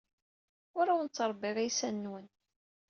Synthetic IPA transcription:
ʊɾawənt͡sːəɾˤbːɪʁijsænːwən

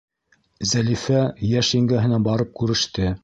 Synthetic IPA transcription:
zælifæjæʃiŋɡæɦɘ̆nænbɑɾɤp̚kʉɾɘ̆ʃt̪ɘ

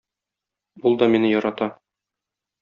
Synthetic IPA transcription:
bulˠd̪ɒminɘjɒɾɑt̪ɑ

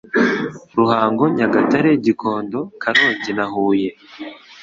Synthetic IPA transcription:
ɾuhaːŋɡo̞ɲaɡataɾeɟikʰoːndo̞kʰaɾo̞ːɲɟinahuːje

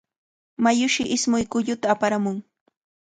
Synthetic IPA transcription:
majʊʃɪʔɪsmʊjkʊʎʊt̪aːpaɾamʊŋ

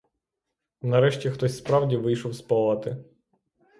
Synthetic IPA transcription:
nɐɾɛʃtʲixt̪ɔsʲspɾɑwdʲiʋɪjʃɔwspɔlˠɐt̪ɪ

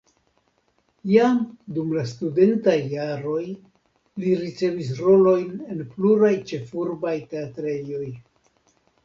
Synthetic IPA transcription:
ijamdumlastude̞ntajːaɾo̞j | liɾit͡se̞vis̬ɾo̞lo̞jne̞npluɾajt͡ʃe̞fuɾbajte̞atɾe̞jo̞j

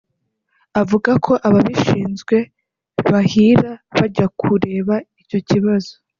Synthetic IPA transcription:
avuɡakʰo̞ʔaβaβiʃiːnzɡwe̞ | βahiːɾaβaɟakʰuɾe̞ːβaico̞ciβazo̥

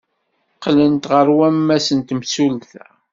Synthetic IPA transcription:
qːlənt̪ʁəɾwæmːæsənt̪msulθæ

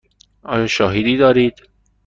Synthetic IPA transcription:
ʔɒ̰ːjɒːʃɒːɦed̪iːd̪ɒːɾiːd̪̥

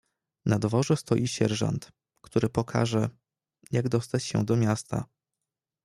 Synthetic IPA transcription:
nad̪vɔʐɛst̪ɔjiɕɛɾʐa̰nt̪ | kt̪uɾɘpɔkʰa̰ʐɛ | jaɡd̪ɔst̪at͡ɕɕɛ̰d̪ɔmʲjast̪ʰa̰

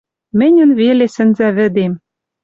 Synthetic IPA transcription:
mɘ̆nʲɘ̆nvelesɘ̆nzæβɘ̆d̪em

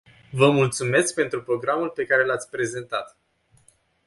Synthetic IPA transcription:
vəmult̪sume̞sk̚pe̞nt̪ɾupɾo̞ɡɾamulpe̞kaɾe̞lat̪sʲpɾe̞ze̞nt̪at̪

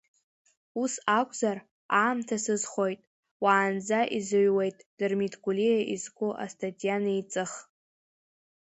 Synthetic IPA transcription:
usakʷʼzar | aːmtʰasɨzχo̞jtʼ | waːnd͡zaʔizɨɥwejtʼd̥ɨrmidʰɡʷʼulijaʔizɡʷʼʊʔa̰stʰʼatʼijanait͡sʼɨχ

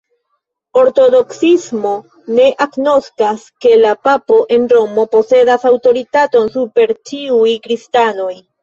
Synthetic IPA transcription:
o̞ɾto̞do̞ksismo̞ | ne̞ʔakno̞skaske̞lapapo̞ʔe̞nɾo̞mo̞po̞se̞dasawto̞ɾitato̞nsupe̞ɾt͡ʃiujkɾistano̞j

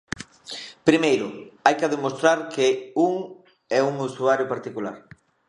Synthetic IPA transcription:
pɾimejɾʊajkaðemost̪ɾaɾkɪuŋ | ɛuŋusuaɾjʊpaɾt̪ikulaɾ

